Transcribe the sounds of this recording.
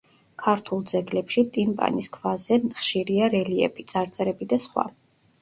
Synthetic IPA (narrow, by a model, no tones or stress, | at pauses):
kʰaɾt̪ʰulˠd̪zɛɡlɛpʃit̪ʼimpʼa̰niskʰvazɛnχʃiɾiaɾɛliɛ̰pʰit̪sʼaɾt̪sʼɛɾɛbid̪asχwa̰